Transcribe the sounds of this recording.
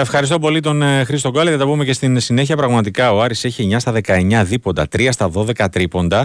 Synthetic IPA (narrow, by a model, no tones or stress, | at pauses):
t̪ɐefxɐɾist̪o̞po̞lit̪o̞nxɾist̪o̞ɡɐleðjɐt̪ɐpume̞ce̞st̪insine̞çiɐpɾɐɣmɐt̪ikɐoɐɾiseçieɲɐst̪ɐðe̞kɐe̞ɲɐðipo̞nd̪ɐt̪ɾiɐst̪ɐðo̞ðe̞kɐt̪ɾipo̞nd̪ɐ